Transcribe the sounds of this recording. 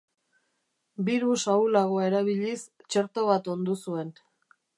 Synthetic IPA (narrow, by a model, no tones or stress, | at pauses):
biɾusawlaɣoae̞ɾaβiʎist͡ʃe̞ɾt̪o̞βat̪o̞nd̪usue̞n